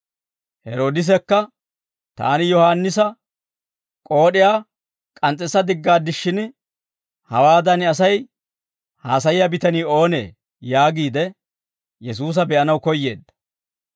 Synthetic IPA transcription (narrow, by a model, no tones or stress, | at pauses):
hɛɾo̞ːd̪ɪs̬ɛkːɐ | t̪a̰ːnɪjɔhaːnːɪsɐ | kʼo̞ːɗɪjaː | kʼɐnt͡sʼːɛsɐd̪ɪɡːaːd̪ɪʃːɪn | hɐwaːd̪ɐnɐsɐj | haːsɐjɪjabɪt̪ɐniːo̞ːne̞̰ː | jaːɡiːd̪ɛ | jɛsuːs̬ɐbɛʔɐnɐwkɔjːe̞ːd̪ːɐ̥